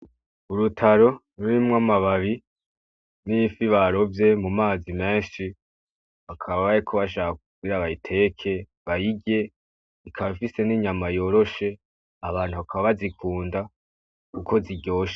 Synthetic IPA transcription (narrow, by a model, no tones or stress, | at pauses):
uɾutʰaɾo̞ | ɾuɾimŋamaβaβi | nifiβaɾo̞vje̞mumaːzime̞ːnʃi | βakʰaβaβaɾekʰoβaʃaːkakubɡiɾaβajitʰe̞kʰe̞ | βajiɟe̞ | ikʰaβaifise̞niːɲamajo̞ːɾo̞ʃe̞ | aβaːn̥huβakʰaβaβazikʰuːnda | kukʰo̞ziɟo̞ːʃe̥